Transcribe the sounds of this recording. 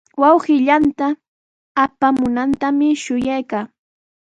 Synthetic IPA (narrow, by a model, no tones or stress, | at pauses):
wɑwɢɪʎant̪aː | pamʊnant̪amɪʃʊjajkaː